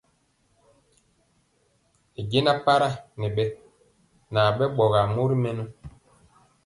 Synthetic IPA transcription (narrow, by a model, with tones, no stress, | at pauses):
e˨ɟe˦na˦pa˦ɾa˦ne˨ɓɛ˦ | na˨ɓɛ˦ɓɔ˨ɣa˨mu˦ɾi˦mɛ˦nu˦